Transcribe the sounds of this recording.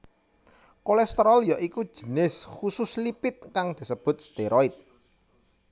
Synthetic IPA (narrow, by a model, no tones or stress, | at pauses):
kolɛst̪əɾɔljɔʔiku̥ʒ̥ə̤nɪshusʊslipɪt̪̚kaŋd̪̥i̤səb̥ʊ̤t̪̚st̪eɾɔit̪̚